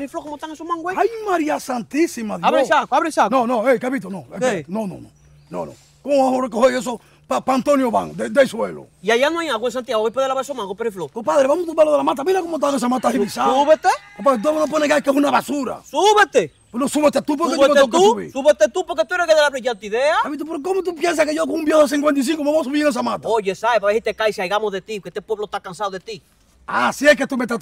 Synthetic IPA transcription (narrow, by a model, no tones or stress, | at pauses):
ɾiflokomot̪aŋesomãŋɡweajmaɾiasant̪isimaðjaβɾesakaβɾesanõnõejkepit̪onõenonõ̰nõ̰ | nõ̰nõ̰ | koohoɾek̬ehoes̬o | papant̪onjoβa̰ŋod̪ed̪eswelo̰iajanõajaɣwẽns̬ant̪jaɣoeipeðelaβesomãŋɡopeɾiflokopaðɾeβamut̪ubeloðelamat̪̬amĩnakomot̪̬aɾes̬amat̪ahimisauβet̪ekopat̪onop̬onekakesunaβasuɾa̰suβet̪e | pnosuβet̪et̪up̬oɾkeootk̪eusβḭɾsuβet̪et̪upoɾket̪ueɾekeðelaβɾiʝant̪iðeaaβit̪upoɾkekomot̪upjens̬akeʝok̬oŋumbjehos̬iŋkwent̪̬is̬iŋkomeβos̬uβiɾeŋes̬amat̪aoʝesaepaβehit̪ekajsiajɣamozðet̪ioket̪epweβlot̪akansaðoðet̪i | asieket̪umet̪et̪